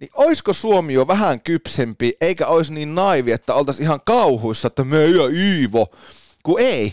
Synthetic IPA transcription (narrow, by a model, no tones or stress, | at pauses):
niʔoiskosuomioʋæhæŋkypsempiʔeikæoisniːnnɑiʋiet̪ːæolt̪ɑsihɑŋkɑuhoisːɑet̪ːæmyøyøiːʋo | kuei